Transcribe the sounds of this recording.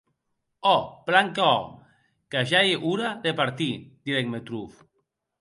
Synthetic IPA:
ɔplaŋkaɔ̰ | kaʒajʔuɾaðepaɾt̪id̪̥iɾɛkmet̪ɾuf

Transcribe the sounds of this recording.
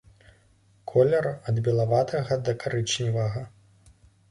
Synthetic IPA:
kʰɔlʲɛɾɐd̪bʲɛlˠavat̪ʰɐɣɐd̪ɐkaɾɨt͡ʂnʲivɐɣɐ

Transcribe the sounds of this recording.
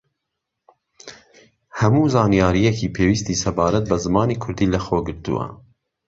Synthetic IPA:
hɛmuːzɑːnijɑːɾijɛkiːpʰeːwiːst̪iːsɛbɑːɾɛt̪̚bɛzɨmɑːniːkʰʊɾd̪iːlɛxoɡɨɾt̪ṵwɛ̰

